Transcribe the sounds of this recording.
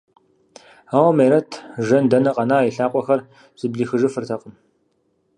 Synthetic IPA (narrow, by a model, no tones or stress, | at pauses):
aːwɐmeːɾɐtʰʒɐndɐnɐqʼɐnaːiɬaːqʷʼɔxɐr | z̥ɨbɮiːxɨʒɨfɨrtʰɐqʼən